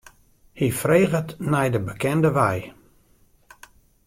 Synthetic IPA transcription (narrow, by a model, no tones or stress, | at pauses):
hifreːɣətnɛjdəbəkʰɛndəʋɛj